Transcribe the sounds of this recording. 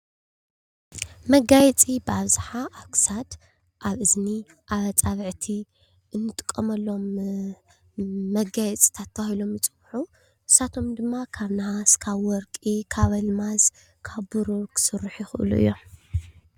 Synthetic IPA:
mɐɡajɛt͡sʼibɨaβzɨħaʔaβkʰɨ̥sad̪ | ʔaβʔɨzniʔaβɐt͡sʼaβʕt̪ʰi | ʔɨnːɨt̪ʼɨ̥kʼːɐmɐlːo̞m | ɐɡajɛt͡sʼi̥t̪ʰat̪ʰːɐahilo̞mjɨt͡sʼɨwħu | ʔɨsat̪ʰo̞md̪ɨmːakʰaβnaʕaskʰaβwɔɾkʼikʰaβɐlmaz | kʰaβbɨɾokʰɨ̥sɨrːɨħjɪxɨʔɨ̰lṵʔɨ̰jːo̞m

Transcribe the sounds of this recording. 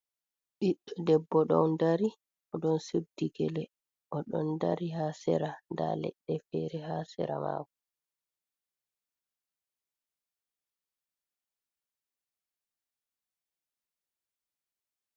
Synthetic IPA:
ɓiɗːɔdɛbːɔɗɔwndaɾi | ʔɔɗɔnseb̚diɡɛlɛ | ʔɔɗɔndaɾiɦaːsɛ̰ɾanda̰lɛ̰ɗːɛfɛɾɛhaːsɛ̰ɾama̰ːkɔ

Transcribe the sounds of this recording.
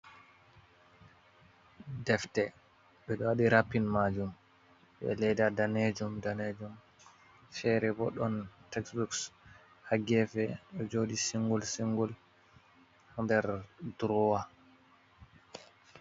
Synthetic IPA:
dɛftɛ | ɓɛɗɔwaɗiɾapːinmad͡ʒum | ɓɛ̰lɛjdadaned͡ʒumdaned͡ʒum | fɛɾɛbɔɗɔntɛksbuks | haɡɛfɛɗɔd͡ʒoːdisiŋɡɔlsiŋɡɔl | handɛɾdɾɔwa

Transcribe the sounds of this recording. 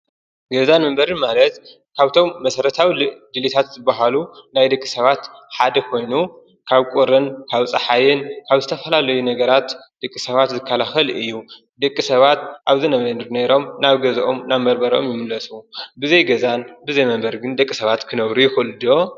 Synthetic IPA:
ɡɐzanmɐmbɐɾɨnmalɐt̪ | kʰaβt̪ʰo̞mːɐsɐɾɐt̪ʰawid̪ɨlit̪ʰat̪zɨbaɦalunajd̪ɐkʼːi̥sɐβat̪ħad̪ɐkʰo̞jnu | kʰaβkʼuɾɨnkʰaβt͡sʼɐħajɪnkʰaβzɨt̪ʰɐfɐlalɐjunɐɡɐɾat̪d̪̥ɐkʼːisɐβat̪zɨkʰːɐlaxɐlɨjːu | d̪ɐkʼːisɐβat̪ʔaβzɨnɐβnɨɾneɾo̞mnaβɡɐzʔo̞mnaβmɐɾbɐɾo̞̰mjɪmɨlːɐsubɨzɐjɡɐzanbɨzɐjmɐmbɐɾɡɨnd̪ɐkʼːisɐβat̪kʰɨnɐβɾujɪxɨɨlud̪ijo̞

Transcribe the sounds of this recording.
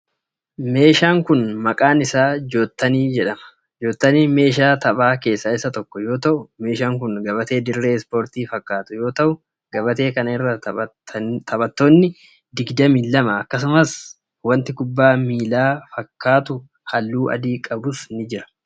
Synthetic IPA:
me̞ːʃaːŋkʊnmɐkʼaːnɪsaːd͡ʒo̞ːt̪ːɐniːd͡ʒɛᶑɐmɐ̥ | d͡ʒoːt̪ːɐniːme̞ːʃ̬aːt̪ɐbaːke̞ːsːɐːɪsːɐt̪ɔkːɔjo̞ːt̪ɐʔʊme̞ːʃaːŋkʊnɡɐbɐt̪e̞ːd̪ɪɾːe̞ːspo̞ːɾt̪iːfɐkːaːt̪ʊjo̞ːt̪ɐʔʊ | ɡ̥ɐbɐt̪e̞ːkɐnɪrːɐ | t̪ʰɐbɐt̪ːoːnːɪ | d̪ɪɡd̪ɐmiːlːɐmɐɐkːɐs̬ʊmɐs | wɐnt̪ɪkʊbːaːmiːlaːfɐkːaːt̪ʊ | hɐlːuːʔɐ̰d̪iːkʼɐbʊsnɪd͡ʒɪɾɐ̥

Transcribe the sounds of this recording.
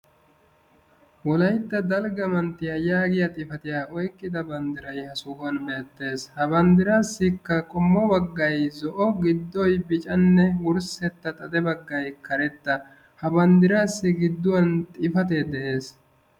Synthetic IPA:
wɔlɐjt̪ːɐd̪ɐlɡɐmɐnt̪ːɪjɐjaːɡɪjɐt̪ʼɪfɐt̪ɪjaːʔɔjkʼːɪd̪ɐbɐnd̪ɪɾɐjhɐsʊɡɐnmɛɛt̪ːe̞ːshɐbɐnd̪ɪɾaːsːɪkːɐkʼɔmːɔbɐɡːɐjzɔʔɔɡɪd̪ːɔjbɪt͡ʃʼɐnːɛwʊɾsɛt̪ːɐt̪ʼɐd̪ɛbɐɡːɐjkɐɾɛt̪ːɐ | hɐbɐnd̪ɪɾaːsːɪɡɪd̪ːʊwɐnt̪ʼɪfɐt̪eːd̪ɛʔe̞ːs

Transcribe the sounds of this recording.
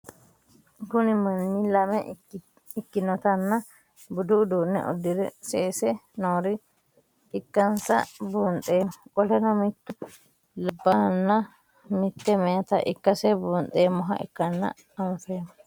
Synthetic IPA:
kunimɐnːilɐmɛ | ikːinɔt̪ɐnːa | bud̪ud̪uːnːɛ̰ʔɔ̰d̪ːiɾɛ̰sɛːsɛnɔɾi | ʔːkːɐnsa̰buːntʼɛːmɔkʼɔlɛnɔmit̪ːu | labːanːa | mit̪ːɛmɛat̪aʔḭkːɐsɛbuːnt̪ʼɛmɔɦa̰ʔɛ̰kːɐnːa̰ː | ɱfɛmɔ

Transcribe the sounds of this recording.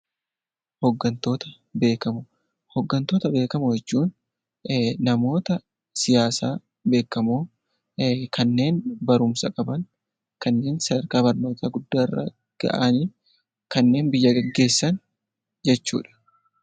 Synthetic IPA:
hɔɡːɐnt̪o̞ːt̪ɐ | be̞ːkɐmʊ | hɔɡːɐnt̪o̞ːt̪ɐbe̞ːkɐmʊjɛt͡ʃːuːn | nɐmo̞ːt̪ɐ | sɪjaːsaː | be̞ːkːɐmoː | kɐnːe̞ːnbɐɾʊmsɐkʼɐbɐŋ | kɐnːe̞ːnsɐd̪ɐɾkaːbɐɾno̞ːt̪ʰaːɡʊd̪ːaːrːɐ̰ | ɡ̥ɐ̰ʔaːniː | kɐnːe̞ːnbɪjːɐɡɛɡːe̞ːsːɐn | d͡ʒɛt͡ʃːṵːᶑɐ̥

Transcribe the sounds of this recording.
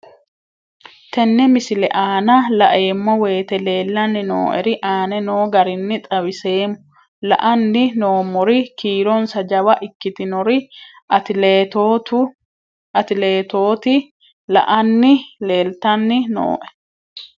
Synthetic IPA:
t̪ɛnːɛmɪsɪlɛ̰ʔaːnɐlɐʔe̞ːmːɔwe̞ːt̪ɛle̞ːlːɐnːɪno̰ːʔɛɾɪʔaːnɛnoːɡɐɾɪnːɪt̪ʼɐwɪse̞ːmʊ | lɐ̰ʔɐnːɪnoːmːɔɾɪkiːɾɔnsɐd͡ʒɐwɐʔɪkːɪt̪ɪnɔɾɪ | t̪ɪt̪ːt̪ʊ | ɐt̪ɪleːt̪oːt̪ɪ | lɐ̰ʔɐnːɪle̞ːlt̪ɐnːɪno̰ːʔɛ̥

